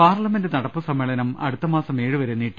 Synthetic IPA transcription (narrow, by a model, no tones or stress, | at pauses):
paːrlɐme̞ndɨnɐɽɐpːɨsɐmːeɭɐnɐmɐ̰ɽut̪ːɐmaːsɐme̞ːɻɨʋɐɾunːiʈː